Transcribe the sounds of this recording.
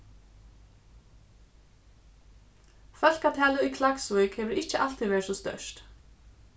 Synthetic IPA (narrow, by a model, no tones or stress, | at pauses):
fœl̥kat̪ʰɛaːlɪikʰlaksvʏjkhɛvʏɾɪhcɪʔal̥t̪ivɛ̥ːsɔst̪œ̰ʂt̪